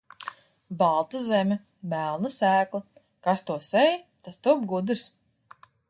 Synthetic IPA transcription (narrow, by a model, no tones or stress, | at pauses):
balˠt̪azɛmʲɛ | mælˠnasæːklˠa | kast̪uɔsɛjt̪ast̪uɔbɡud̪ɨɾs